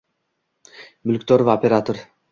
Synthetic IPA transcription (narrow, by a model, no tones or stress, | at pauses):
bɵlkt̪oɾvopʲeɾat̪oɾ